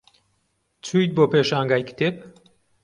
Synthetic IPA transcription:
t͡sʰujt̪̚boːpeʃaːŋɡajkt̪ep

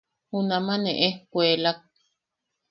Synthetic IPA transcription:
hunamãneʔekʷeːlak̚

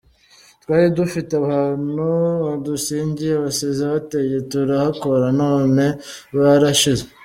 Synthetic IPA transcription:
twaːɾidufiteaβaːnuβadusiːɲɟiɾeβasezaβate̞je̞tuɾahako̞ɾano̞ːne̞ | βaɾaʃize

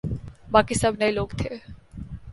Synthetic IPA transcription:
bakisəbʱnɛiloɡt̪ʰe

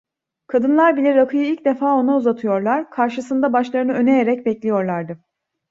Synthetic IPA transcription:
kʰad̪ɯnlˠaɾbilʲɛɾakʰɯjɯilʲcd̪e̞faːo̞nauzat̪ʰɯjo̞ɾlˠaɾkʰaɾʃɯsɯnd̪abaʃlˠaɾɯnɯø̞ne̞jeɾɛcbɛclʲijo̞ɾlˠaɾd̪ɯ

